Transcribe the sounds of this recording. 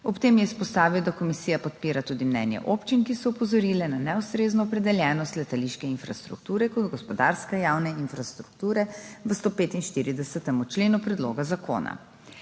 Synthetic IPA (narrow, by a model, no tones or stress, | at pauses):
ɔpt̪eːmjɛispɔst̪aːʋiwd̪akɔmisijapɔt̪piːɾat̪uːd̪imnɛ̰njɛ̰ʔopt͡ʃinkisɔupɔzɔɾiːlɛnanɛust̪ɾeːznɔːpɾɛd̪ɛljɛːnɔst̪lɛt̪aliʃkɛinfɾa̰st̪ɾṵk̚t̪uːɾɛkɔd̪ɡɔspɔd̪aɾskɛjawnɛinfɾast̪ɾuk̚t̪uːɾɛʋəst̪oːpeːt̪inʃt̪iːɾid̪ɛsɛt̪ɛmut͡ʃleːnupɾɛd̪lo̰ːɡazakʰo̰ːna̰